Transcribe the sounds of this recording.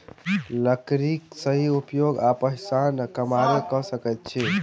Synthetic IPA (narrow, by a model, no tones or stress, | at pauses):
ləkɾiksəɦiupjoɡapəɦɪsankəmaɾekəsəkɛt̪̚t͡ʃʰɛ